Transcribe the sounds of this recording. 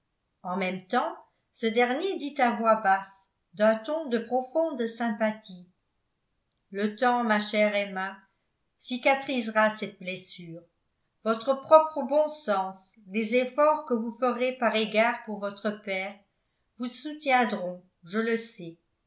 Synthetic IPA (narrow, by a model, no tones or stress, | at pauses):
ɑ̃mɛmt̪ɑ̃ | səd̪ɛʁnjed̪it̪avwabas | d̪ɛ̃t̪ɔ̃d̪əpχɔfɔ̃d̪sɛ̃pat̪ʰi | lət̪ɑ̃maʃɛʁema | sikʲat̪χizʁasɛt̪̚blesyːʁ | vɔt̪χəpχɔpχəbɔ̃sɑ̃s | d̪ezefɔʁkəvufəʁepaʁeɡaːʁpuʁvɔt̪χəpɛːʁ | vusut̪jɛ̃d̪ʁɔ̃ | ʒələsɛ